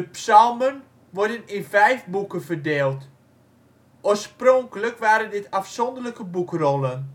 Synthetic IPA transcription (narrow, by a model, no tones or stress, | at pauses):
dəpsalˠmən | ʋɔrdənɪnvɛjfbukənvərdeːlˠt | ʔoːsproŋkələkʋaːɾəndɪtafsɔndərləkəbukrɔlˠən